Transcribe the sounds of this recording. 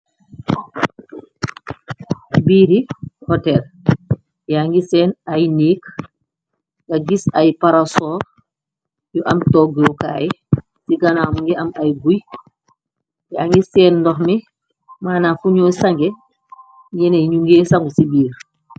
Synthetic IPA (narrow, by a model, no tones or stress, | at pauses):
biːɾihɔtɛl | jaŋɡisɛːnajniːk | ŋɡaɡisajpaɾasɔːɾ | juʔamtɔːɡuka̰ːji | siɡanaːmuŋɡɛamajɡuj | jaŋɡisɛːnːdɔxmi | maːnafuɲoːsaŋɡɛ | ɡɛneɲuŋɡeːsaŋɡusibiːɾ